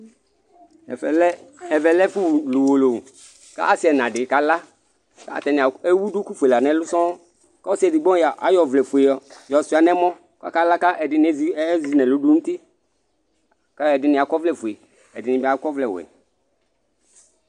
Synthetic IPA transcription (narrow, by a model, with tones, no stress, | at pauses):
ɛ˨vɛ˨lɛ˦fu˦˨lu˨wo˨lo˨ | ka̰˦a˦si˦ɛ˨nã˨ɖɪ˨˦ka˨la˦ | ka̰˦˨t̪ɛ˨n˨e˦wu˦du˦ku˦fu˨e˨la˨nɛ̃˨˦lʊ˦sɔ̃˦ | ka˦ɔ˦sɛ˨dɪ˨ɡ͡bɔ̃˦a˨ʔa˨jɔ˨vlɛ˨fu˨e˨ɔ˨jɔ˨sʊ˦a˨nɛ̃˦mɔ̃˦ | ka̰˦ka˦la˦ka˦ʔɛ˨ɪ˨n˦zzi˨nɛ̃˨lu˨du˦ŋu˦t̪i˦ | ka˦ɛ˨dɪ˨nɪ̃˨a˨kɔ˦vlɛ˦˨fu˨e˨ | ɛ̰˨dɪ˨nɪ̃˨bɛ˨a˨˦kɔ˦vlɛ˨wɛ̰˨